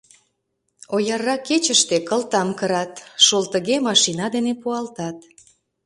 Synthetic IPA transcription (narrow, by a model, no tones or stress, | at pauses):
ojɑrːɑket͡ɕəʃt̪ekəlt̪ɑmkəɾɑt̪ʃolt̪əɣemɑʃinɑd̪enepuɑlt̪ɑt̪̚